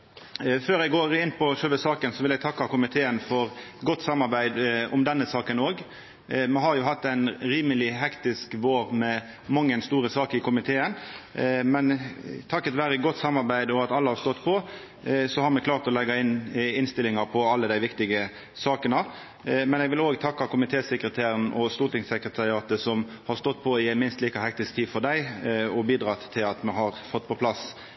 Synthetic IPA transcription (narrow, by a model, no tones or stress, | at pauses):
føːɾɛɡoːɾɪnːpʰɔʂœlʋəsɑːkənsɔʋɪlæɪɡ̚t̪ʰɑkːɑkʊmɪt̪ʰeːənfɔɾɡɔt̪ːsɑmːɑɾbæɪd̪ʊmd̪ɛnːəsɑːkənoːɡ | mɛɦɑɾjʊhɑt̪ːæɪnɾiːməlɪɦɛkt̪ɪskʋoːɾmɛ | mɑŋːənst̪uːɾəsɑːkɪkʰʊmɪt̪ʰeːən | mɛnt̪ʰɑkːɑt̪ʋæːɾəɡɔt̪ːsɑmːɑɾbæɪd̪ɔɑt̪ɑlːəhɑɾst̪ɔt̪ːpʰɔ | sɔhɑɾmɛklɑːɾt̪ɔlɛɡɑɪnːɪnst̪ɪlːɪŋɑɾpʰɔɑlːəd̪æɪʋɪkt̪ɪɡə | sɑːkənɑ | mɛnɛɡʋɪloːɡt̪ʰɑkːɑkʊmɪt̪ʰeːsɛkɾət̪ʰeːɾənʔɔst̪uːt̪ɪŋsəkɾət̪ʰɑɾɪɑːt̪əsɔm | hɑɾst̪ɔt̪ːpʰɔɪæɪnmɪnst̪liːkɑhɛk̚t̪ɪsk̚t̪ʰiːfɔɾɖ̪æɪɔbiːd̪ɾɑt̪ʰːɪlɑt̪mɛɦɑɾfɔt̪ːpʰɔpʰlɑs